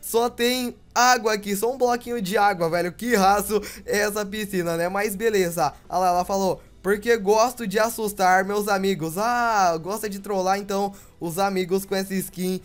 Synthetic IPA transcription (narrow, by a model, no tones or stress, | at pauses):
sɔt̪ẽj̃ | aɡwɐːkis̬ɔũblɔkĩɲʊd͡ʒɪaɡwɐvɛʎʊkɪɦasʊɛɛsɐpisĩnɐnɛmajzbelezɐalaɛlɐfalo | poɾkeɡɔst̪ʊd͡ʒɪasust̪aɾmewzamiɡʊzaɡɔst̪ɐd͡ʒɪt̪ɾolaɾẽnt̪ɐ̃w̃ | ʊzamiɡʊskõesɪskĩ